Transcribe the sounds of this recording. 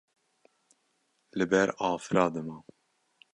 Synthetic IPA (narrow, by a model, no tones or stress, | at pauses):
lɨbɛɾɑːfɨɾɑːd̪ɨmɑ